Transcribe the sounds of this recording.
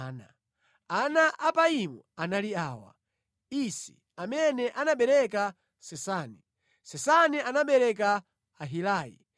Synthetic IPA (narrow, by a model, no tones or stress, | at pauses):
na̰ | anaʔapaimu | analiaːwa̰ | isḭ | amɛnɛʔanaɓɛɾɛka | sɛsaːni | sɛsanianaɓɛɾɛk̬aː | ɦilaːjḭ